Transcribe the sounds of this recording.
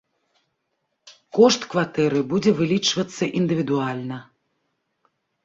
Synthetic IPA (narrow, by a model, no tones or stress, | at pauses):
kɔʂt̪kvat̪ɛɾɨbud͡zʲɛvɨlʲit͡ʂvɐt̪sːɐʔind̪ɨvʲid̪ualʲnɐ